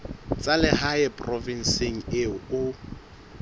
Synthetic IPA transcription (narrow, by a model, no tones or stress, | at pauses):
t͡sʼalɪɦaɛpʼrɔvɪn̩seŋ̩eʊʊ